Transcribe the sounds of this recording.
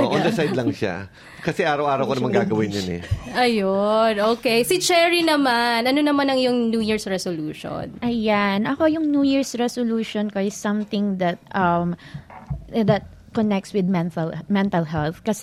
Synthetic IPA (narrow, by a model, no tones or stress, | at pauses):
ʔoʔɔnd̪ɐsajd̪lɐŋʃa̰ | kɐsɛʔaːɾɐwʔaːɾɐwkonɐmanŋɡaːɡɐwɪnjonɛ̰ʔɐjonʔoːkejsit͡ʃɛɹinɐmanʔɐnonɐmanɐŋjʊŋnjuːjiɹsɹɛsoluːʃo̰nʔɐjanɐko̞jʊŋnjuːjiɹsɹɛsoluːʃonkoɪsːɐ̃mθɪ̃ŋd̪ɐt̪̚ʔɐm | d̪ɐt̪̚ | kɔnɛk̚t̪swɪd̪̚mɛnt̪ɐlmɛnt̪ɐlɦɛlθkɐs